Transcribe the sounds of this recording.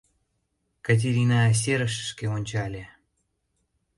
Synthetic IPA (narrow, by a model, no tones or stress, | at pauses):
kat̬ʲeɾʲinas̬eɾə̆ʃə̥ʃkeonʲt͡ɕɑlʲĕ